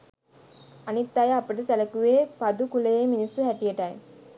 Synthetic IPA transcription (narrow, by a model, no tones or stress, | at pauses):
ɐnit̪ːajaɐpəʈəsælɐkuʋeːpɐd̪ukulejeminisuɦɛʈijɐʈaj